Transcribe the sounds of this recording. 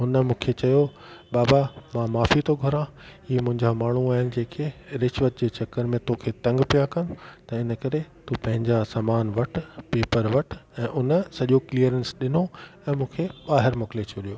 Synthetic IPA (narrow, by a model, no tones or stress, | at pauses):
ɦʊnəmũːkʰet͡ɕɐjo | baːbamãmaːfit̪oɡʱɐɾãimʊ̃ɦɪ̃ɲd͡ʑamaːɳ̤uaːɦɪnɪ̆d͡ʑẽːkʰeɾɪʃʋət̪̚d͡ʑeːt͡ɕɐkːəɾmẽt̪oːkʰet̪ɐ̃ŋɡpijakɐnʊ̆t̪ɐɪnəkɐɾet̪upɐ̃ɦɪ̃ɲd͡ʑasaːmaːnʋɐʈʰpeːpəɾʋɐʈʰɛ̃ːʔʊnəsɐʄokliəɾɛ̃nsɗɪnoɛ̃ːmũːkʰeɓaːɦɪɾmʊkɪlet͡ɕʰolijoː